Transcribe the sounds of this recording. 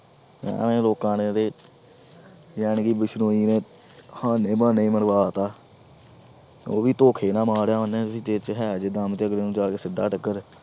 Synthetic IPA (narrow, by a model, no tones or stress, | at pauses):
jã̰ːneːloːkãːnẽːt̪eː | jɛːɳkiːbɪʃnoːiːnẽː | hãːnẽːmãːnəĩːməɳʋaːt̪aː | oːʋiːt̪oːkʰeːnãːmaːɾjaːɦonẽːt̪ʊsĩːt̪eːt͡ʃɦɛːd͡ʒed̪aːmt̪eːəɡleːnũːd͡ʒaːkeːsɪd̪aːʈəkːəɾ